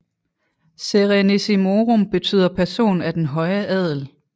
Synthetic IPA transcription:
seʁinesimo̝ːʁomb̥e̝t͡sʰy̰ð̰ˠɐpʰæɐso̝̰ːnæd̥enɦɒ̽ɪəʔɛð̰ˠl̩

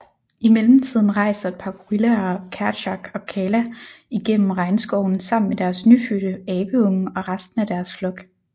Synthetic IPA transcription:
imelm̩t͡sʰið̞̰ˠn̩ʁɑ̈ɪ̰sɐe̝d̥̚pʰɑ̈kʰuʁilæɐkʰæɐɕɑ̈ɡ̥ɒ̽kʰɛːlæiɡ̥en̰m̩ʁɑ̈ɪnsɡ̥ɒʊn̩sɑ̈m̰n̩med̥æɐsnyfyɾ̥əɛːb̥əɔ̽ŋəɒ̽ʁɑsd̥n̩æd̥æɐsflɔ̽ɡ̥

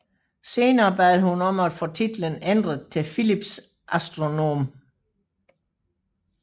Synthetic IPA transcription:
se̝ːnɐːb̥ɛːð̩ˠhunɒ̽mæd̥fot͡sʰid̥lənend̥ʁət͡sʰe̝filib̥s | ʔæsd̥ʁo̝no̝̰ːm

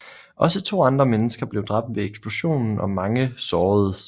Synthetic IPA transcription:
ʔɒ̽sət͡sʰo̝̰ːɑ̈nd̥ʁɐmenəsɡ̥ɐb̥le̝ʊd̥ʁɑ̈b̥̚d̥ʋe̝eɡ̥sb̥loɕo̝̰ːnn̩ɒ̽mɑ̈ŋəsɒːð̩ˠ

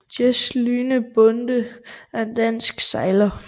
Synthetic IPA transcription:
d̥jeslyːnəb̥ɔnd̥əænd̥æn̰sɡ̥sɑ̈ɪlɐ

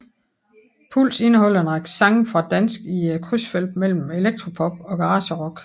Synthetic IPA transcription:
pʰul̰se̝nəɦɒ̽l̰enʁɑɡ̥sɑ̈ŋfʁɑ̈d̥ænsɡ̥ikʰʁysfelb̥mel̰m̩e̝leɡ̥̚d̥ʁo̝pʰɒ̽b̥̚ɒ̽ɡ̥ɑʁɑ̈ːɕəʁɒ̽ɡ̥

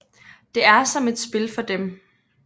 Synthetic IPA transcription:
d̥e̝æɐsɒ̽me̝d̥sb̥e̝lfɒ̽d̥em

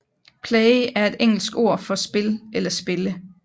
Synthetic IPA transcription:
pʰlɛɪæɐe̝d̥eŋ̰l̩sɡ̥o̝̰ɐ̰fɒ̽sb̥e̝lelɐsb̥e̝lə

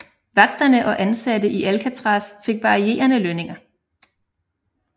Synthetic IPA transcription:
ʋɑ̈ɡ̥̚d̥ɐnəʔɒ̽ʔænsædəʔiʔælkʰæt͡sʰʁɑ̈ːsfe̝ɡ̥̚ʋɑ̈ʁie̝̰ːɐnəløne̝ŋɐ

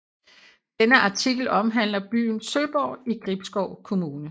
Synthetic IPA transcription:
d̥enəʔɑ̈t͡sʰiɡ̥l̩ɒ̽mɦæn̰lɐb̥y̰ːn̩søb̥ɒʊ̰iɡ̥ʁib̥sɡ̥ɒʊ̰kʰo̝muːnə

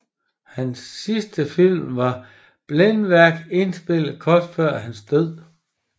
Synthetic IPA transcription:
hænsːisd̥əfil̰mʋɑ̈ | b̥lenʋæɐ̰ɡ̥e̝nsb̥e̝l̰ð̩ˠkʰɒːd̥fɶɐ̰hænsd̥øð̰ˠ

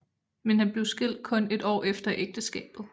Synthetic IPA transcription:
menhænb̥le̝ʊsɡ̥e̝l̰d̥̚kʰɔ̽ne̝d̥ɒ̰ːefd̥ɐʔeɡ̥̚d̥əsɡ̥ɛ̰ːb̥ð̩ˠ

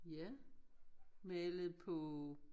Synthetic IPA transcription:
jæ | meləð̩ˠpʰɔ

